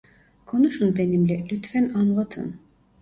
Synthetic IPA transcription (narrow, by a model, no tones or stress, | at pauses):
kʰo̞nuʃunbenimlʲɛlʲyt̪fænanlˠat̪ʰɯ̰n